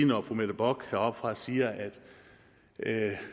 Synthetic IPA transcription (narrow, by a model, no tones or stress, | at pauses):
nɒfomed̥əb̥ɒɡ̥hæɒ̽b̥fʁɑ̈siːɐʔæd̥